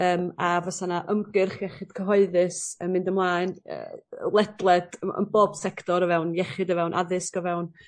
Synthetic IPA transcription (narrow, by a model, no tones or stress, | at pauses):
əːmavɔsanaʔəmɡɨrχjɛχɪd̥kʰəɦɔɨðɨsəmɪndəmlˠaːɨnə̰ːlˠɛdlˠɛd̥əə̰nboːb̥sɛktʰɔɾəvɛwnjɛχɨdəvɛwnʔa̰ðɨskɔvɛwn